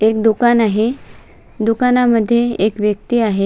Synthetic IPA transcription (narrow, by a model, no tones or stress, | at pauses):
ek̚d̪ukanaɦe | d̪ukanaməd̪ʱːjeekʋjəkt̪iːaɦe